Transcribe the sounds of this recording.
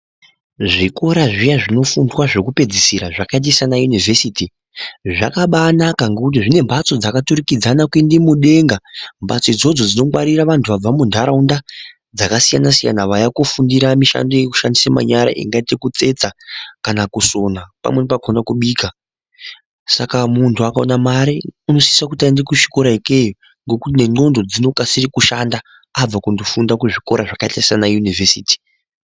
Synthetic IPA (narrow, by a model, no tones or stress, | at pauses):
ʐiko̞ɾaʐijaʐino̞fundwaʐekupe̞d͡zisiɾaʐakait̬isanajunive̞siti | ʐakaɓanakaŋɡe̞kut̬iʐine̞mbat͡so̞d͡zakatuɾikid͡zanakwindimuɗe̞ŋɡambat͡soid͡zo̞d͡zo̞d͡zino̞mwaɾiraʋantʰuʋab͡vamundʱaɾaunda | d͡zakasijanasija̰naʋajakufundiɾamiʃa̰ndo̞je̞ku̥ʃandisama̰ɲaɾa̰ʔḭŋɡaitekut͡se̞t͡sakanakuso̞napa̰mwe̞npakonakuɓiːka | sakamuntʰuakaonamaɾiuno̞siisakutandekuʂi̥ko̞ɾaikejo | ŋɡo̞kutine̞ŋ͡ǃo̞ndo̞d͡zino̞kasirikuʃanda | ab͡vakundofundakuʐiko̞ɾaʐakaitasianajunivesiːti̥